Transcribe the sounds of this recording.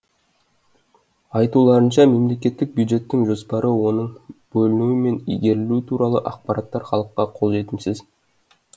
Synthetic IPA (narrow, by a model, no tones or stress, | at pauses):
ɑjt̪ulˠɑɾənʃɑme̞mle̞kʲe̞t̪ːɪk̚bjujd̪ʒe̞t̪ːɪŋʒo̞spɑɾʔəwo̞nəɴb̥ɵlɪnuwɪme̞nḭjɡʲe̞ɾɪlut̪ʰuɾɑlˠəʔɑq̚pɑɾɑt̪ːɑɾχɑlˠəqːɑqʰo̞lˠʒe̞t̪ɪmsɪz